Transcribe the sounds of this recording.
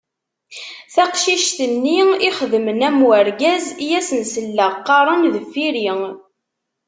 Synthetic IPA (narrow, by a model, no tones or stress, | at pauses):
θɑqʃiʃθənːiiχəðəmənæmwəɾɡæzjæsənsəlːæqːɑɾˤənðəfːiɾiŋ